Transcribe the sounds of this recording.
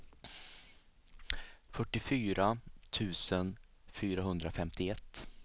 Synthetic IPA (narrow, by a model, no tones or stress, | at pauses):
fœʈːɪfyːɾat̪ʰʉ̟ːsənfyːɾaɦɵnd̪ɾafɛmt̪ɪɛt̪ː